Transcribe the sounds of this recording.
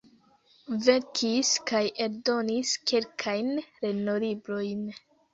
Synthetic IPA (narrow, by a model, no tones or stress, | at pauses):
ve̞ɾkʰiskajʔe̞ɾdo̞niskʰe̞lkʰajnɾe̞nolibɾo̞jn